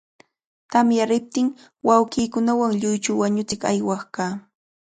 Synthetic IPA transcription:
t̪amjaɾɪp̚t̪ɪŋ | wawɢiːkʊnawaŋʎʊjt͡ʃʊwaɲʊt͡sɪkajwɑχkaː

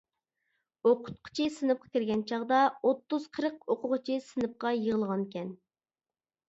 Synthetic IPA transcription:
oqʰʊ̥t̪̚qʰə̥t͡ʃʰisɨnɨp̚qʰɑ̥kʲiɾɡʲɛnt͡ʃʰɑʁd̪ɑot̪ːuz̥qʰəɾəq̚oqʊʁət͡ʃʰɪsɨnɨp̚qɑjəʁəlˠʁɑnkʲɛn

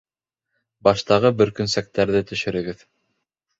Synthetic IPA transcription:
bɑʃt̪ɑʁɤbɵ̆ɾkɵ̆nsæk̚t̪æɾðɘt̪ɵ̆ʃɘ̆ɾɘ̆ɡɘð

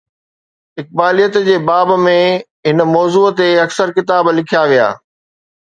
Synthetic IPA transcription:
ɪk̚baːlijət̪d͡ʑeːbaːbmẽ | ɦɪnmɔːzuːt̪eɐksəɾkɪt̪aːblɪkʰijaʋija̰ː

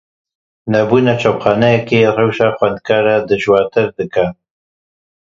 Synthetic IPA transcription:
nɐbuːnat͡ʃʰopχɑːnɛjɛkerewʃaxwɛnd̪̚kʰaːɾad̪ɨʒwaːɾt̪ʰɨɾd̪ɨka

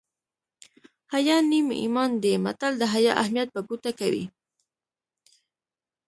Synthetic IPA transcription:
hajɑnimḛḭmɑnd̪ema̰t̪ald̪əɦajɑʔahmijat̪̚baɡut̪akawḭ

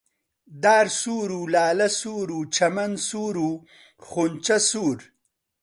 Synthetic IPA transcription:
d̪aːɾsuːɾulaːlɐsuːɾut͡ʃɐmɐnsuːɾu | χunt͡ʃɐsuːɾ

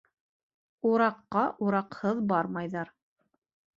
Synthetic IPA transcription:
uɾɑqːɑʔuɾɑqhɤðbɑɾmɑjðɑɾ

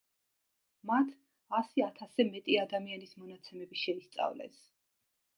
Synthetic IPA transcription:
mat̪ʰ | asiat̪ʰasɛmɛt̪ʼiad̪amianismɔnat̪sʰɛmɛbiʃɛist̪sʼa̰vlɛ̰s

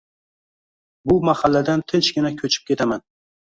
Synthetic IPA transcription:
bʊmahalːad̪ant̪ʰɪt͡ʃɡʲɪnakʲʰɵt͡ʃʰɪ̥p̚kʲʰe̞t̪ʰaman

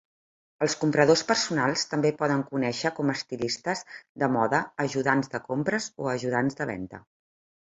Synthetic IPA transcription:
əlˠskumpɾəðospəɾsunalˠst̪əmbepɔð̞əŋkunɛʃəkɔməst̪ilist̪əzd̪əmɔðəːʒuðanzðəkompɾəzoəʒuð̞anzðəβɛ̰nt̪ə̰

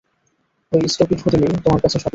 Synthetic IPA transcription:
ojsʈopiʈhotelet̪omaɾkat͡ɕʰeʃɔ

